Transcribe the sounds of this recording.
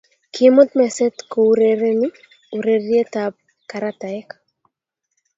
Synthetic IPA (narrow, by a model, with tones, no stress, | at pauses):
kʰimʊ˦t̪mɛ˨sɛ˦tko˨uɾe˨ɾe˦ni˦ | uɾe˨ɾje˦t̪ab̚ | ka˨ɾat̪a˨ɛk